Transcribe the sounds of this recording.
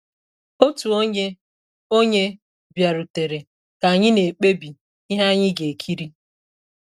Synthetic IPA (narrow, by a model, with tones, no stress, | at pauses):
o˦tu˨o˦ɲe˦ | o˦ɲe˦ | bja˨ɾu˨te˨ɾe˨ | ka˨ɲɪ˦ne˨k͡pe˦bi˨ | i˦ɦa˦ɲɪ˦ɡe˨e˨kʰi˦ɾi˦